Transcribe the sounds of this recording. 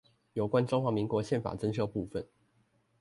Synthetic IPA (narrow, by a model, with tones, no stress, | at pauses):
jo˨˩ʊkwa˦nʈ͡ʂʊ˥ŋxwa˧˥mi˧˥ŋkwɔ˧˥ɕjɛ˥˩nfa̰˨˩t͡sə˥nɕjɤ˥˧pu˥˧fə˨˩n